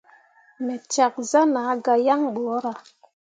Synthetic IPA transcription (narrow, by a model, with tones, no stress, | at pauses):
me˨t͡ʃa˨k̚za˦na˨˦ɡa˧ja˦ŋɓo˨˦ɾa˨